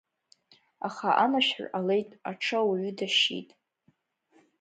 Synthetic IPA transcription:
aχaʔamaʃᶣħale̞jtʼaʈ͡ʂʰawɥʏdaʃḭtʼ

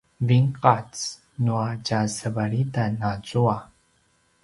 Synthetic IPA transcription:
viŋqat͡s | nuacasəvaɾitanat͡sua

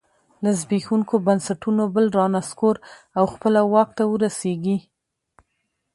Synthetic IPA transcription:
lazbixuŋkobansaʈunobəlɾɑnaskoɾ | awxpəlawɑk̚t̪awəɾaseɡi

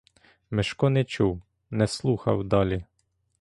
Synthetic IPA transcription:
mɪʃkɔnɛt͡ʃuw | nɛslˠuxɐ̰wd̪ɑlʲi

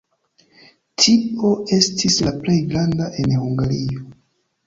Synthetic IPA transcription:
tʰipo̞e̞stʰislaple̞jɡɾandaʔe̞nhuŋɡaɾio

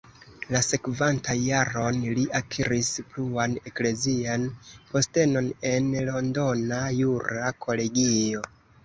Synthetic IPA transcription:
lase̞kvantajjaɾo̞nliʔakʰiɾispluane̞kle̞zianpo̞ste̞no̞ne̞nlo̞ndo̞najuɾakʰo̞le̞ɡio̞

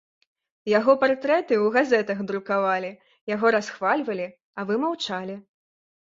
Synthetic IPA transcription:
jaɣɔpart̪ɾɛt̪ɨwɣazɛt̪ɐɣd̪ɾukavalʲi | jaɣɔɾasxvalʲvɐlʲi | ɐvɨmawt͡ʂalʲi

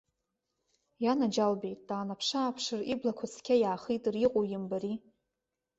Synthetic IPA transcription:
janad͡ʒalbejt̚ʼd̥aːnapʰʂaːpʰʂɨriblakʷʰat͡sʰkʲʰajaːχijtʼɨriqʼojɪmbaɾi

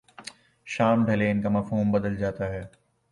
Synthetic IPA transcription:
ʃaːmɖʱɐleɪnkamɐfɦuːmbɐd̪əld͡ʒaːt̪aɦɛː

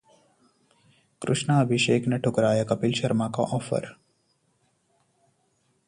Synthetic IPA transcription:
kɾʊʃnaːbʱiʃeːknɐʈʰʊkɾaːjɐkɐpilʃɐɾmaka̰ʔɔːfə̰ɾ

